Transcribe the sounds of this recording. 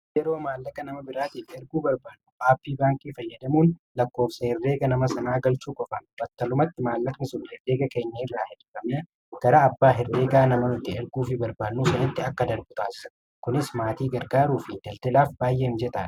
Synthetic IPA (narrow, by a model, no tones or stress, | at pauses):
ɛɾo̞ːmaːlːɐkɐnɐmɐbɪɾaːt̪iːfɪɛɾɡuːbɐɾbaːd̪ːuʔaːpːiːbaːŋkʼiːfɐjːɐd̪ɐmuːnlɐkːo̞ːfsɐhɪrːe̞ːɡɐnɐmɐsɐnaːɡɐlt͡ʃuːkʼɔfɐnbɐt̪ːɐlʊmɐt̪ːɪmaːlːɐkɐnɪsʊnhɛreːɡɐkɐjnːeːrːaːhɪd̪ʊkɐmnɐ | ɡ̥ɐɾaːbːaːɦɪrːeːɡaːnɐmɐnʊt̪ːɪɛɾɡuːfɪbɐɾbaːd̪nːuːsɐnɐt̪ːɪɐkːɐd̪ɐɾbʊt̪ʼaːsɐ | kʊnɪsmaːt̪iːɡɐɾɡaːɾuːfɪd̪ɐlt̪ɛlaːfbaːjːeːɪmd͡ʒɛt̪ʼɐ